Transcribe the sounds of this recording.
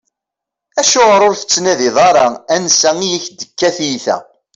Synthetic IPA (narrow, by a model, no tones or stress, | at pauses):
æʃʊʁəɾʊɾθə̥t͡sːnæðiðˤɑɾˤɑænsæijiçd̪əkːæθjiθæ̰